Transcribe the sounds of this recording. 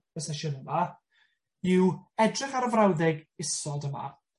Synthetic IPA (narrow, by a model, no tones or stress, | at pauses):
əsɛʃɔnəma | ɪwɛdrɪχaɾəvrawðɪɡɪsɔdəma̰